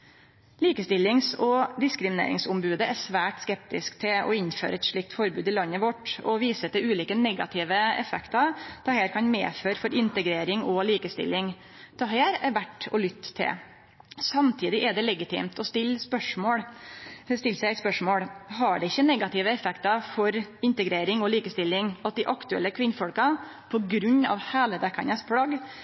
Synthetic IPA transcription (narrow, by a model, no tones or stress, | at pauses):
liːkəst̪ɪlːɪŋsɔd̪ɪskɾɪmɪnḛːɾɪ̰ŋsʊmbʉːd̪əæsʋæːʈskɛp̚t̪ɪskt̪ʰɪɔ̰ɪnːfø̰ːɾəɛt̪ʂɭɪk̚t̪fɔɾbʉːd̪ɪlɑnːəʋɔʈɔʋiːsət̪ɪʉːliːkənɛɡɑ̰t̪ʰɪːʋəɛ̰fɛkt̪ɑt̪ʰɑheːɾkʰɑnmḛːføːɾfɔɾʔɪnt̪əɡɾeːɾɪŋɔliːkəst̪ɪ̰lːɪŋ | t̪ʰɑɦeːɾɛ̰ɾʋæʈːɔlʏt̪ːt̪ʰːɪ̰ | sɑmt̪ʰiːd̪ɪʔɛɖɛlɛɡɪt̪ʰɪ̰ːmt̪ɔst̪ɪlːspœʂmoːɽ | st̪ɪlːsæɪæt̪spœʂmoːɽɦɑɖɛɪçːənɛɡɑt̪ɪʋəɛfɛkt̪ɑfɔɾɪnt̪əɡɾeːɾɪŋɔliːkəst̪ɪlːɪŋɑt̪̚d̪ɪʔɑkt̪ʉɛ̰lːəkʰʋɪnːfɔɽkɑ | pʰɔɡɾʉɲːɑ̰ʋhæːləd̪ækʰɑnəspʰlɑɡ